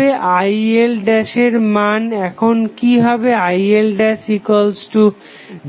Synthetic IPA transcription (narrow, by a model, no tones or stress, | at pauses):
eʔajelɖɛʃeɾmanɛkʰonkiɦɔbeajelɖɛʃikolsʈu